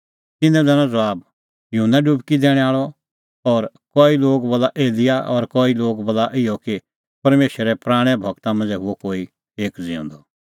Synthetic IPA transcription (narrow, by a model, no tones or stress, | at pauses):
t̪ɪnɛ̃d͡zaːñãd͡zɐʋaːb | jʊɦənːaɖʊbkid̪ɛːɽ̃ɛaːɭɔ | ɔɾ | kɔːiloːɡbɔlaʔeːlɪjaʔɔɾkɔːiloːɡbɔlaʔɪjɔki | pɐɾmeːʃɾɛpɾaːɽ̃ɛbʱɐɡt̪amɐ̃nd͡zɛɦʊɔkoːi | eːkd͡zɪɔ̰̃ːnd̪ɔ